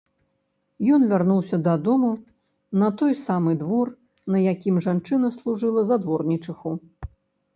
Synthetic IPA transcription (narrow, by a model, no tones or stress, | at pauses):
jɔnvʲarnuwsʲɐd̪ad̪ɔmu | nɐt̪ɔjsamɨd̪vɔr | nɐjakʲimʐant͡ʂɨnɐslˠuʐɨlˠɐzad̪vɔrnʲit͡ʂɨxu